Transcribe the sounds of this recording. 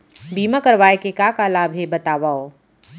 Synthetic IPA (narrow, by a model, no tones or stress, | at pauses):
biːmãkɐɾʋaːekekaːkalaːbʱɦebɐt̪aːʋaːoː